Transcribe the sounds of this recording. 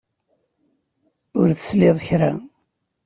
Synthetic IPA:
ʊɾθə̥sleðˤəçɾa̰

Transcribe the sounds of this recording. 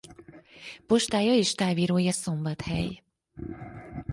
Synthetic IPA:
po̞ʃt̪aːjɒeːʃt̪aːviːɾoːjɒso̞mbɒt̪hɛ̰j

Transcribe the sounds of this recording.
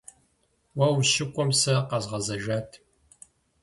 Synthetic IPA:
wɐwʃɪkʷʼɔmsɐqɑzʁɐzɐʒaːtʰ

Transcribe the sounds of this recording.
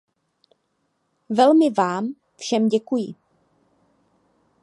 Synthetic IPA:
vɛlmɪvaːm | fʃɛmɟɛkujɪ

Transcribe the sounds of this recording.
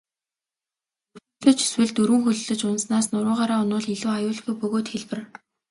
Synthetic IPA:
ɵ̆ | ɮɵ̆t͡ɕi̥swɘ̆ɮt̪ɵɾwɘ̆ŋxɵɮɵɮɵ̆t͡ɕʊnsnaːsnʊɾʊːʁaːɾaːʊnʊːɮiɮuːajʊːɮɡujpɵɣoːt̪xeɮpɘ̆r

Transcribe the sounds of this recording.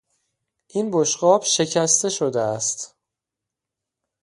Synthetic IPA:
ʔinboʃɢɒːb̥ʃe̞cʰæst̪e̞ʃod̪eæst̪

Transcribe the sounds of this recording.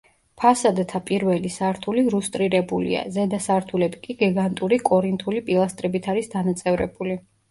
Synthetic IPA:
pʰasad̪t̪ʰapʼiɾvɛlisaɾt̪ʰuliɾust̪ʼɾiɾɛbulḭa̰zɛd̪asaɾt̪ʰulɛbikʼiɡɛɡant̪ʼuɾikʼɔɾint̪ʼʰulipʼilˠast̪ʼɾɛbit̪ʰaɾisd̪anat̪sʼɛvɾɛ̰buli

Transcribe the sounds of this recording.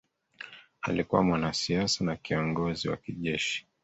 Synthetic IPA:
alikuwamwanasiasanakiɔŋɡɔziwa̰kiʄɛʃi̥

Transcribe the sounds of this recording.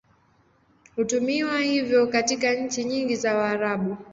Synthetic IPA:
hutumiwahivjɔkatikaɲ̩t͡ʃiɲiŋɡizawaːɾaɓu

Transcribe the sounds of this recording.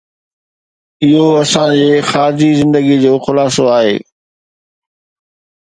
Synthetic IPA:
ɪɦoɐsãd͡ʑeːxaːɾɪd͡ʑizɪ̃nd̪əɡid͡ʑoːxʊlaːsoaːɦḛː

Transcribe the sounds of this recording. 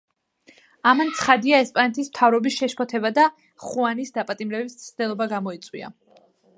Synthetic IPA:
amant̪sʰχad̪iaɛspʼanɛt̪ʰismt̪ʰavɾɔbisʃɛʃpʰɔt̪ʰɛbad̪a | χuanisd̪apʼat̪ʼimɾɛbismʰd̪̥ɛlˠɔbaɡamɔit̪sʼwḭa̰

